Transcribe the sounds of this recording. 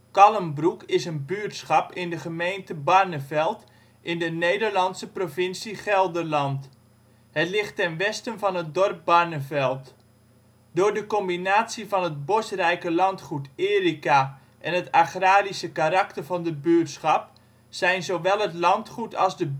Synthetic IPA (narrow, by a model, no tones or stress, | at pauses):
kɑləmbrukɪsənbyəɹtsχɑpɪndəχəmejntəbɑrnəvɛlˠt | ʔɪndənejdərlɑntsəprovɪnsiχɛlˠdərlɑnt | hətlɪχtːɛnʋɛstənvɑnɦət̚dɔrp̚bɑɹnəvɛlˠt | dʊːɹdəkɔmbinaːtsivɑnɦət̚bosrɛjkəlɑntχutɪːrika | ʔɛnətaχraːɾisəkaɾɑktərvɑndəbyːɹtsχɑp̚ | sɛjnzowʋɛlˠɦətlɑntχutɑlˠzdə